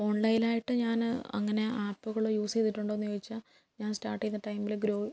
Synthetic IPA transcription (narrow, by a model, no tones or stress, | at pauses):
o̞ːɳlɐjlaːjiʈːɨɲaːnɐ̰ŋːɐne̞ʔaːpːuɣɐɭoːjuːseːt̪ːiʈːuɳɖoːnːijoːɡit͡ɕːa | ɲaːnsʈaːrʈːijnːɐʈɐjmbilɡɾoː